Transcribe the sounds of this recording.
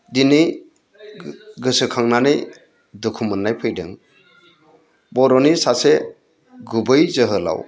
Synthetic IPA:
dinɯj | ɡɯsɯkʰaŋnanɯj | dukʰumɯnːajpʰɯjdɯ̰ŋ | bɔɾɔnisase | ɡubɯjzəɦɯla̰w

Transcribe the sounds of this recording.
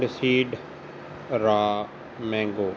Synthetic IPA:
ɖsiːɖ | ɾaː | mɛ̃ːŋɡoː

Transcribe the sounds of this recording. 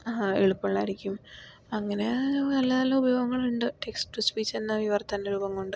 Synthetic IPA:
aḛɭupːɐɭːaːiɾikʲːum | ɐŋːɐne̞nɐlːɐnɐlːɐubɐjo̞ːɡɐŋːɐɭuɳɖɨeksʈuspiːt͡ɕːenːɐʋiʋɐrt̪ːɐndeɾuːbɐŋkoɳɖɨ

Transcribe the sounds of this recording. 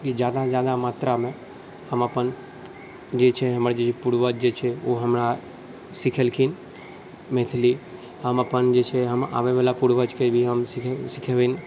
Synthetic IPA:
kid͡ʒjaːd̪ãd͡ʒjad̪amaːt̪ɾamẽ | həməpən | d͡ʒet͡ʃʰeɦəmɾad͡ʒet͡ʃepuɽʋəd͡ʒd͡ʒet͡ʃʰeoɦəmɾa | sɪkʰelkʰin | met̪ʰli | həməpənd͡ʒet͡ʃʰeɦəma̰ʋeʋelapuɽʋəd͡ʒkebʱiɦəmsɪsɪkʰeʋin

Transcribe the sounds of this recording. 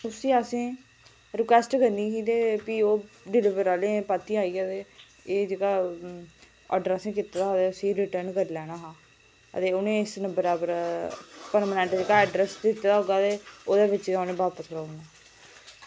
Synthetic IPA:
ʊsĩːəsẽː | ɾɪkwɛːsʈɡənd̪ĩːɦiːt̪eːpiːoː | ɖɪlɪʋəɾaːlẽːpat̪ːiːaːiːat̪eː | eːd͡ʒeːɡaː | ə̰ɖɾɛsẽːk̬it̪ːad̪aːɦoːd̪eːʊsiːɾɪʈəɾnkəɾːlɛːɽaːɦãː | ə̰t̪eːʊnẽːɪsnəbəɾaːbəɾ | pəɾmaːnɛ̃ːɳʈd͡ʒeːɡaːɛːɖɾɛsd̪ɪt̪ːd̪aːɦoːɡaːt̪eːoːd̪eːʋɪt͡ʃːʊnẽːbaːpəsɾaːnaː

